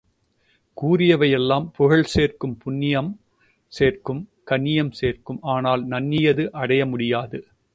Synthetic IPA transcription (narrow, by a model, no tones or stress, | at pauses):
kuːɾɪjɐʋɐjɛlːaːmpʊɣɐɭseːrkɯmpʊnːɪjɐm | seːrkɯmkɐnːɪjɐmseːrkɯmaːnaːlnɐnːɪjɐðɯʔɐɽɐjɐmʊɽɪjaːðɯ